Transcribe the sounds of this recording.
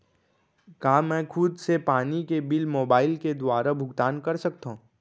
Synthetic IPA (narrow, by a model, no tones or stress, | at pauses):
kaːmɛ̃ːkʰʊd̪sepaːnikebɪlmoːbaːɪlked̪waːɾabʱʊɡt̪aːnkɐɾsɐk̚t̪aɦũː